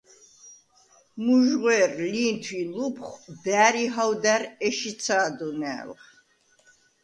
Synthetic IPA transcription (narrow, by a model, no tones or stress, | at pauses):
muʒʁwɛrliːnt̪ʰwilupʰχbæːɾiɦawd̪æɾɛʃit̪sʰaːd̪unɛ̰ːlχ